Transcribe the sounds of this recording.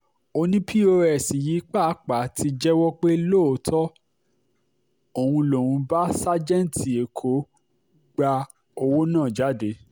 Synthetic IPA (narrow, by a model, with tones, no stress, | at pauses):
o˧nĩ˦pʰi˦o˧ɾɛ˨si˨ji˨˦k͡pa˦˨˦k͡pa˨˦ti˧d͡ʒɛ˦wɔ˦k͡pe˦lo˦˨o˨˦tʰɔ˦ | o˨hũ˧lo˨wũ˧ba˦sa˦d͡ʒɛ̃˦n˨ti˨e˨kʰo˨˦ | ɡ͡ba˧ | o˧wo˦nãː˦˨d͡ʒa˨˦de˧˦